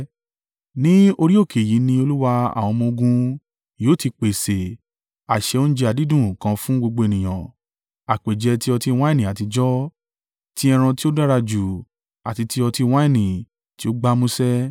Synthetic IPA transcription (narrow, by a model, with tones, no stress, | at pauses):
nĩ˦o˧ɾi˦o˦˨kʰe˨ji˨˦nĩ˧o˧lu˦wa˧a̰˨w̃ɔ̃˧mõ˧ɡũ˧ | joː˨˦˨ti˧k͡pe˨se˨ | a˨ʃɛ˧o˦n̩˦d͡ʒɛ˧˦a˨di˦dũ˦˨kã˧fũ˦ɡo˧ɡ͡bo˧e˨nĩ˨j̃ã˨ | a˨k͡pe˨d͡ʒɛ˧ti˦ɔ˧ti˧w̃ã˦i˦˨nĩ˨a˨ti˧d͡ʒɔ˦ | ti˦ɛ˧ɾ̃ã˧ti˦o˦da˦ɾa˧d͡ʒu˨ | a˨ti˧ti˦ɔ˧ti˧w̃ã˦i˦˨nĩ˨ | ti˦o˦ɡ͡ba˦mũ˦sɛ˦